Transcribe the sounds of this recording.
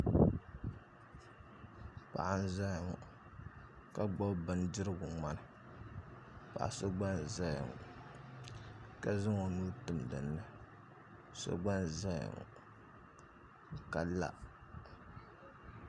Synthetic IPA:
pa̰˨ʔa˨n̩˦za˦ja˨ŋṵ˨ | ka˦ɡ͡bo˦bbɨ˦n˦dɨ˦ɾɨ˦ɡʊ˨ŋ͡ma˦nɨ˨ | pa̰˨ʔa̰˨so˦ɡ͡ba˦n˨za˦ja̰˨ŋṵ˨ | ka˦zɨ˦ŋo˨nuː˦tʊ˨mdɨ˨nːɨ˦ | so̰˦ɡ͡ba˦n˨za˦ja̰˨ŋ̰˨ | ka˨la̰˦

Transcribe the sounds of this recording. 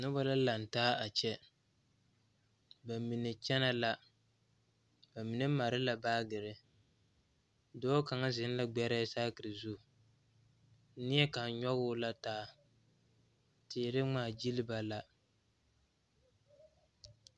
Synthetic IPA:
nʊ˦ba˦la˦la˨n̩˨taː˦a˨t͡ʃɛ˦ | ba˨mi˨nɨ˨t͡ʃɛ˦na˦la˦ | ba˨mi˨nɨ˦ma˨ɾɪ˦la˨baː˦ɡɨ˨ɾɪ˦ | dɔː˦ka˨ŋa˦zɪ˨˦n˦la˦ɡ͡bɛ˦ɾɛ˦saː˦kɨ˨ɾɨ˨zu˦˨˦ | nɪ˦jɛ˦ka˨˦ɲɔ˦ɣʊː˦la˦taː˦ | tɪː˨ɾɪ˦ŋ͡maː˦˨d͡ʒi˦lɪ˦ba˨la˦

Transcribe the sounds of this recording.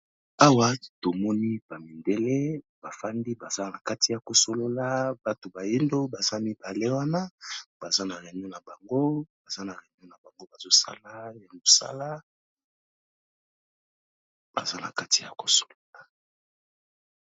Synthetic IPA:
a˦wa˦to˨mɔ˦ni˦b̥a˨mi˨nde˦le˦ | b̥a˨fa˦ndi˦ba˨za˦na˨ka˦ti˨ja˨ko˨so˨lo˦la˦ba˨to˨ba˨ji˦ndo˦ba˨za˦mi˦ba˨le˦wa˦na˦b̥a˨za˦na˨ʁɛ˨ɲo˦na˨ba˨ŋɡo˦b̥a˨za˦na˨ʁɛ˨ɲ˦o˦na˨ba˨ŋɡo˦ba˨zo˦sa̰˦la˦ja˨mo˨sa̰˦la˦ | b̥a̰˨za˦na̰˨ka˦ti˨ja̰˨ko̥˨so̥˨lo˨la˨

